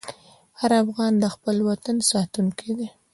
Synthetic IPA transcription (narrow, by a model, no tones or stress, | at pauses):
haɾafɣɑnd̪əxpəlwat̪ansɑt̪uŋkʰid̪i